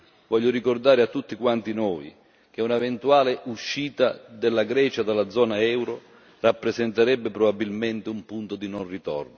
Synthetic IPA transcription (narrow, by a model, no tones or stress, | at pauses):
vɔʎːʊɾikord̪aːɾɪat̪ːut̪ːikwant̪inɔːj | k̟eunavɛnt̪uaːlɪʔuʃːiːt̪ad̪ɛlːaɡɾɛːt͡ʃad̪alːad̪zːɔːnaɛwɾo | rapːɾezɛnt̪aɾɛbːɪpɾobabːilmɛnt̪ɪumpunt̪od̪inonrit̪ɔ̰rno